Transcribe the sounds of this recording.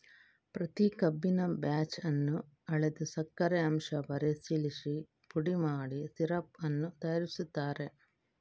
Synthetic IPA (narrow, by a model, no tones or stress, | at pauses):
pɾɐt̪ikɐbːinɐbjaːt͡ʃɐnːu | ɐɭed̪usɐkːɐɾeɐmʂɐʋɐɾesiliʂi | puɽimaːɽisiɾɐpɐnːut̪ɐjɐɾisut̪ːaːɾe